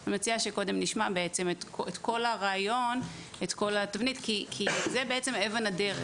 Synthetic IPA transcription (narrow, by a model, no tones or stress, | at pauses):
amet͡siaʃeko̞d̪e̞mniʃmabeet͡se̞metket̪ko̞laʁaːjo̞net̪ko̞latavnitkikʰizebeet͡se̞mevenadeʁe